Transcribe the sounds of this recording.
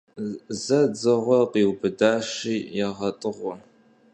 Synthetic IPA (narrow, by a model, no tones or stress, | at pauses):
zɐd͡zɐʁʷɔqiːwbɨdaːʃiːjɛʁɐtʼɨʁʷɔ